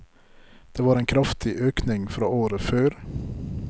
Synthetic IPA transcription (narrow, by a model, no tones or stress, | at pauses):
d̪̥eːʋɑːɾeːnkʰɾɑft̪ʰɪʔøːknɪŋfɾɑ̰ːoːɾəføːɾ